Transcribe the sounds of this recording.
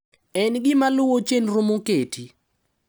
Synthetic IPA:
ɛnɡɪmalʊwot͡ʃenrʊmoketʰi

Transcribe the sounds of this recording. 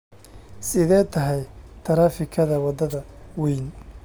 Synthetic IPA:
sɪðɛːt̪ʰɐɦɛjt̪ʰɐɾaːfɪkʰɐðɐwɑd̪ɐðɐ | wɛjn

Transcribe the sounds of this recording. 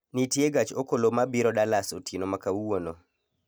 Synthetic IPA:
nitjeɡat͡ʃokolomabiɾɔɗalasotʰinomakauwono

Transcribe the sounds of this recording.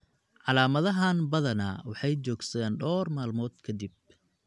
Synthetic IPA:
ʕɑlaːmɐðɐɦaːnbɐðɐnɐ̰wɑħɑjt͡ʃɔːɡsɐðeːnɖɔːrmaːlmɔːd̪kʰɐd̪ib̚

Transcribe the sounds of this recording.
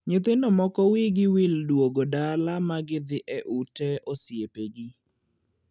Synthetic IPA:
ɲet̪enɔmɔkɔwiɡɪwildwoɡodalamaɡɪd̪ɪʔɛʔutɛosjepeɡi

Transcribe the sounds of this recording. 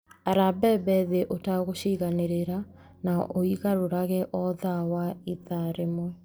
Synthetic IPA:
aɾabɛbɛðeʔotaɣoɕiɣaneɾeɾa | naʔoiɣaɾoɾaɣɛʔɔðawaiðaɾemwɛ

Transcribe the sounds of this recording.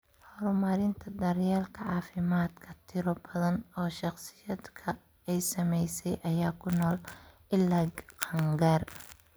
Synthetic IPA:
hɔɾʊmɐɾɪnt̪ʰɐd̪ɐɾjaːlkʰɐʕɑːfɪmaːd̪kʰɐt̪ʰɪɾɔbɐðɐnɔːʃɑχsɪ̥jɐd̪kʰɐ | ɛjsɐmɛjsɛjʔɐjaːkʰʊnɔːl | ɪlːɐɡqɑŋɡaːr

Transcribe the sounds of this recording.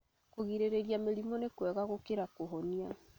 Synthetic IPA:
koɣiɾeɾeɾjameɾimɔnekwɛɣaɣokeɾakoɦɔnia

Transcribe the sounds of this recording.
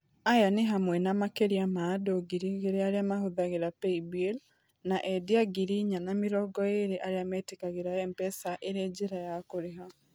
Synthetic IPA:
ajaneɦamwɛnamakeɾiamadoɡiɾiɣeɾeaɾeamaɦoðaɣeɾapeibel | naʔɛdiaɡiɾiɲanameɾɔɡɔeɾeʔaɾeamɛtekaɣeɾaɛmpɛsaʔeɾed͡ʑeɾajakoɾeɦa

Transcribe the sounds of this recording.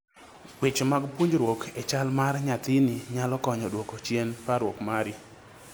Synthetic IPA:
wet͡ʃmaɡpuɲd͡ʒɾwokʰet͡ʃalmarɲat̪ɪniɲalɔkɔɲɔdwokot͡ʃjenpaɾwokmaɾi

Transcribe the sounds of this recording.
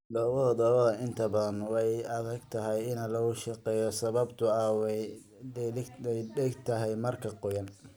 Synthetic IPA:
d̪ɔːwɐðɐd̪ɔwɐðɐɪnt̪ʰɐbɐðɐnwɑjɐðɐɡt̪ʰɐɦɛjɪnɐlɐɣʊʃɐqɛːjɔsɐβɐbt̪ʰʊɐwɛ | ɛlɪɛjɖɛɡt̪ʰɐɦɛjmɐrkʰɐqɔjɐn

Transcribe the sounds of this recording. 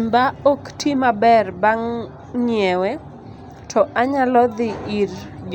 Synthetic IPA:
mbaoktʰimabɛrbaŋ | ɲiɛwɛ | tʰɔʔaɲalɔd̪ɪʔird͡ʒ

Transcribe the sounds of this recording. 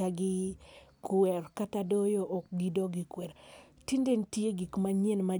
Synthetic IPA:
aɡɪkwɛrkatadojoʔːk̚ɡidoɡikwɛɾ | tindentjeɡikmaɲenma

